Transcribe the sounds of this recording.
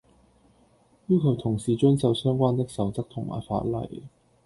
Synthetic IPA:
jyː˥kʰɵ˨˧wt̪ʰʊ˨˩ŋsiː˨˧t͡ʃɵ˥nsɐ˨˧wsœː˥ŋkʷaː˥nt̪ɪ˥k̚sɐ˨wt͡sɐ˥k̚t̪ʰʊ˨˩ŋmʔa̰ː˨˩jfa̰ː˧t̚lɐ̰˨˩j

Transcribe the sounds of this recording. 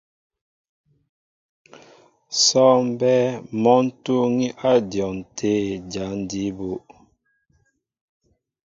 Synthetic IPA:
sɔ˦m˦bɛ˦mɔ˦n̩˦tu˦ŋi˦ʔa˦djɔ˨n˨tʰe˦d͡ʒa˨˦n̩˨˦di˨˦bu˦ʔ

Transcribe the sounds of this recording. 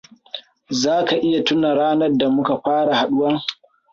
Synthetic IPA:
zaː˦ka˨ʔɪ˦ja˨tʊ˦na˨ɽaː˦nɐ˦rda˨mʊ˦ka˨ɸaː˦ɽa˨ha˨ɗʊ˦wɐ˦ŋ

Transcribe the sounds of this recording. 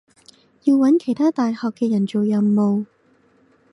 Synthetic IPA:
jiː˧wwɐ˨˥nkʰe˨˩jt̪ʰaː˥t̪aː˨jhɔː˨kːɛː˧jɐ˨˩nt͡so˨wjɐ˨˩wmo˨˧w

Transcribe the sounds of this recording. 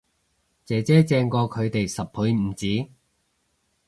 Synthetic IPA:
t͡sɛː˨˥t͡sɛː˨˥t͡sɛː˧ŋkɔː˧kʰɵ˨˧ɥt̪e˨jsɐ˨p̚ʰu˨˥ɥm̩˨˩t͡siː˨˥

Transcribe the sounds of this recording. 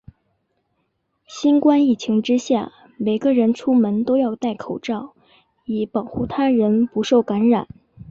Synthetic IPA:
ɕi˥nkwa˥ni˥˩t͡ɕʰi˧˥ŋʈ͡ʂɻ̩˥ɕja̰˥˩ | me˨˩ɪɡə˧ɻə˧˥nʈ͡ʂʰu˥mə˧˥nt̪o˥ʊjɑ˥˧ʊt̪a˥˩ɪkʰo˨˩ʊʈ͡ʂɑ˥˩ʊ | i˨˩pɑ˨˩ʊxu˥˩t̪ʰa˥ɻə˧˥npu˧˥ʂo˥˩ʊka˧˥nɻa̰˨˩˦n

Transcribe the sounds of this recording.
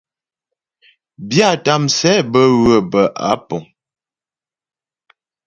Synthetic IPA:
bja˦˨ta˦msɛ˦bə˦ɣə˨bə˨ʔa̰˨˦pɔ˨ŋ

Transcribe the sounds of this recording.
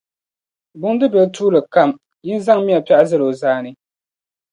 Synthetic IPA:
bʊ˨ŋ˦dɨ˦bɛ˨ltʰuː˦lɨ˨ka˦m | ji˦n˦za˦ŋmi˦a˨pa˦ʔa˦zɨ˦lo˨zaː˦nɨ˦

